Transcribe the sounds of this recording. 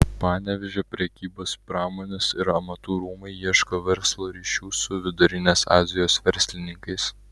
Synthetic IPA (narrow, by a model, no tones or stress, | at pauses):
pɑːnʲɛʋʲɛʒʲoːpʲɾʲɛkʲiːboːspɾɑːmoːnʲɛsɪɾɐmɐt̪uːɾuːmɐɪiɛʃkoːʋʲɛɾslˠoːɾʲiːʃʲuːsʊʋʲɪd̪ʊɾʲɪnʲesɑ̰ːzʲɪjoːsʋʲɛɾʲsʲlʲɪnʲɪŋkɐɪs